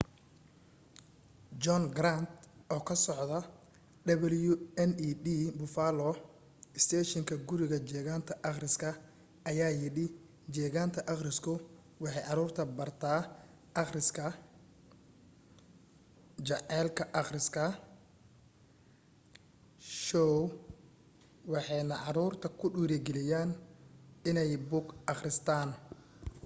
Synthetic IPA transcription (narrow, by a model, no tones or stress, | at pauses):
d͡ʒɔnɡɾant̪ʔɔːkʰɐsɔʕd̪ɐ | d̪ɐβɛljʊɛniːd̪iːbʊfaːlɔ | ɪst̪ʰɛːʃɪŋkʰɐɡʊɾɪɣɐt͡ʃɛːɣaːnt̪ʰɐʔɐχrɪskʰɐ | ɐjaːjɪɽɪ | d͡ʒɛːɣaːnt̪ʰɐʔɐχrɪskʰʊ | wɑħɑjʕɑɾuːrt̪ʰɐbɐrt̪ʰaː | ʔɑχrɪskʰɐ | t͡ʃɑʕɛːlkʰɐʔɑχrɪskʰɐ | ʃɔw | wɑħɑjnɐʕɑɾuːrt̪ʰɐkʰʊɖuːɾɛɡɛlɪjaːn | ɪnɛjbʊɡɑχrɪst̪ʰaːn